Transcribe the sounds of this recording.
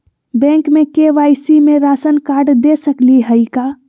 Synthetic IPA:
bɛ̃ŋkmekeʋajsimeɾasənkaɾɖd̪esəkliɦəjka

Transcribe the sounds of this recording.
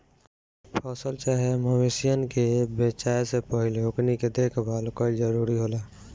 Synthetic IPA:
pʰɔːsəlt͡ʃaːɦeməwesɪjənkebeːt͡ʃaːesepəɦɪleokniked̪eːkʰbaːlkəid͡ʒəɾuːɾiɦoːlaː

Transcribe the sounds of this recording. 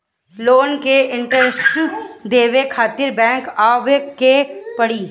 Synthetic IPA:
loːnkeɪ̃ɳʈəɾsʈd̪eːʋekʰaːt̪ɪɾbɛ̃ːŋkaːʋekːepɐɽiː

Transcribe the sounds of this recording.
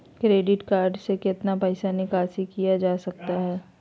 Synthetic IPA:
kɾeːɖɪʈkaːɾɖsekɪt̪napəːɪsanɪkaːsikijad͡ʒaːsɐk̚t̪aɦɛː

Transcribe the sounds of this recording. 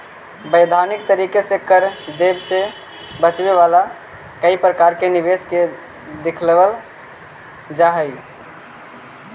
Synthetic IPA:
bəjd̪ʱanik̚t̪əɾikesekəɾd̪ebse | bət͡ʃbeβala | kəipɾəkaɾkeniβeske | d̪ekʰlbəl | d͡ʒaɦəj

